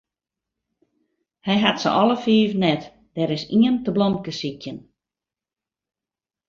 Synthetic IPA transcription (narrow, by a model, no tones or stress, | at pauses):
hɛjɦatsə̰ʔɔlˠəfiːvnɛt | d̥ɛɾɪsiəntəblɔmkəsikʰjən